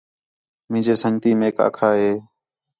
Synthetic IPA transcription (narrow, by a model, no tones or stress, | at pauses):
mĩːd͡ʒeːsəŋt̪iːmeːka̰ːkʰaːɦeː